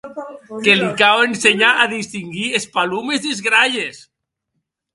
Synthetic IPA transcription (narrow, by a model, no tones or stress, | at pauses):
kelikawenseɲaʔaðist̪iŋɡiespalumezðizɣɾaʎes